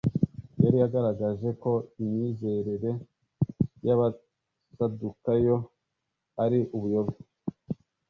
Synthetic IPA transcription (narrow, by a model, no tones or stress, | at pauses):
jaɾijaɡaɾaɡaʒe̞ko̞imɲiːze̞ɾeɾe̞ | jaβa | sadukajo | aɾiʔuβujo̞βe